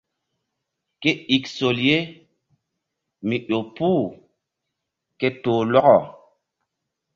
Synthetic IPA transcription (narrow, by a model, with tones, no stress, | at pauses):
ke˦i˨kso˨lje˦ | mi˨ɗo˨puː˦˨ | ke˦toː˨lɔ˦ɣɔ˨